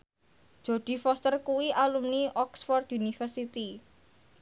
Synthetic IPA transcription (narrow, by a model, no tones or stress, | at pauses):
ʒ̥oɖ̪̥i̤fɔst̪ərkuwiʔalumniʔɔksfɔrt̪unifərsit̪i